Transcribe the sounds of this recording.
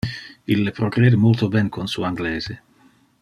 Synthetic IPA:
ilːepɾoɡɾɛːd̪emolt̪obɛnkʰonsṵaŋɡlɛːz̥e

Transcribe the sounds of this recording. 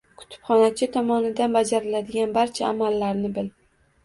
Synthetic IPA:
kʰʊ̥t̪ʰɪ̥pχɒnat͡ʃʰɪt̪ʰɒmɒnɪd̪anbad͡ʒaɾɪlad̪ɪɡʲanbaɾt͡ʃʰaːmalːaɾnɪbɪl

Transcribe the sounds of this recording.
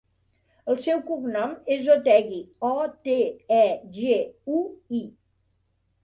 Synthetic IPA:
əlˠsɛwkuknɔmezot̪ɛɣiɔt̪eɛʒeui

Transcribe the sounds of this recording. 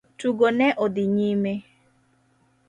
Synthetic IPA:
tuɡonɛʔod̪iɲime

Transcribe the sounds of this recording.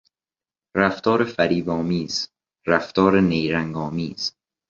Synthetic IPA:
ɾæft̪ɒːɾefæɾiːbɒːmiːz | ɾæft̪ɒːɾenejɾæŋɡɒːmiːz̥

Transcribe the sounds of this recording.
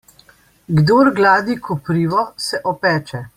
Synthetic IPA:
ɡd̪oːɾɡlaːd̪ikupɾiːʋɔsɛʔɔpɛːt͡ʃɛ

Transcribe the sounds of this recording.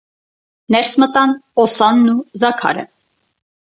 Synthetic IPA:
nɛɾsmət̪ɑnɔsɑnːuzɑkʰɑ̰ɾə̰

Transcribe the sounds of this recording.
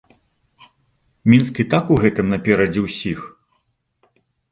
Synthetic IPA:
mʲinskʲit̪akuɣɛt̪ɨmnɐpʲɛɾɐd͡zʲɛwsʲix

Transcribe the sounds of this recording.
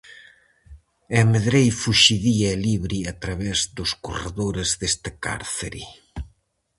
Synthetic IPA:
emeðɾejfuʃiðiɐeliβɾiat̪ɾaβɛzðʊskora̰ðoɾezðest̪aka̰ɾθḛɾḭ

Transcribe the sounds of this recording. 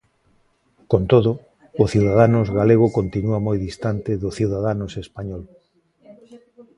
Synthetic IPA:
kont̪oðʊː | θiwðaðanʊzɣaleɣ̞ʊkont̪inuamojðist̪ant̪ɪðʊθiwðaðanʊsespaɲɔl

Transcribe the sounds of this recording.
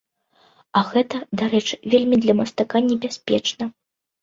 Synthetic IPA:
ɐɣɛt̪ɐd̪aɾɛt͡ʂɨ̥vʲelʲmʲid̪lʲɐmɐst̪akanʲɛbʲasʲpʲɛ̰t͡ʂnɐ

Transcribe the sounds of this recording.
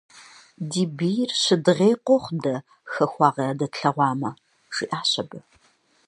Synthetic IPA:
diːbijrɕɪdɨʁeːqʷʼoχʷdɐ | xɐxʷɑːʁɐaːdɐtɬɐʁʷɑːmɐ | ʂḭːʔaːɕɐbɨ

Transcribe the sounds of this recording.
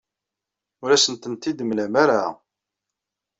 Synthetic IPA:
ʊɾæsənt̪ənt̪id̪əmlæmaɾa

